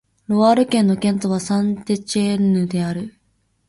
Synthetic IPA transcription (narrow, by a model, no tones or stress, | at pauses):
ɾo̞βaːɾɯ̟kẽnːo̞kẽ̞nt̪o̞βasãnt̪et͡ɕeɯ̟d̪e̞aɾɯ̟